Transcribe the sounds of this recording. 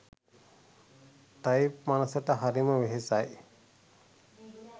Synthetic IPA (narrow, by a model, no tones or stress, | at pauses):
t̪ajpmanɐsɐʈəɦaɾiməʋeɦesaj